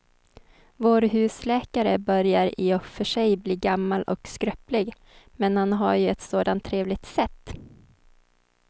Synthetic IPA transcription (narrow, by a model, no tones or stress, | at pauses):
voːɾɦʉ̟ːslɛːkaɾəbœɾjaɾɪɔfœʂɛjbliːɡamːalʔɔ̰kskɾœplɪɡ | mɛnhanɦa̰ɾjɵɛt̪soːd̪ant̪ʰːɾeːvlɪɡ̚t̪sɛt̪ː